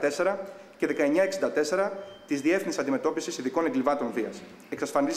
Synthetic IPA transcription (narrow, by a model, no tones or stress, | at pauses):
t̪e̞se̞ɾɐ | ce̞ðe̞kɐe̞ɲɐe̞ksind̪ɐt̪e̞se̞ɾɐt̪izðie̞fθinisɐnd̪ime̞t̪o̞pisisiðiko̞neŋɡlivɐt̪o̞nviɐs | e̞ksɐsfɐniz